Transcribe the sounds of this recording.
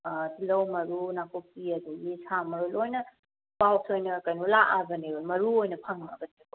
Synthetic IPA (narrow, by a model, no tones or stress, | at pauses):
tilɐwmɐɾunakopiɐd̪uɡisamɐɾulojnɐ | bawsojnɐkɐjnulaʔabɐnebɐmɐɾuojnɐpʰɐŋɐ̰bɐtiko